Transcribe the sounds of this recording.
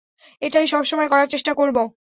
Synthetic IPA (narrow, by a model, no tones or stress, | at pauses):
eʈajʃɔbʃɔmɔekɔɾaɾt͡ɕeʃʈakoɾbo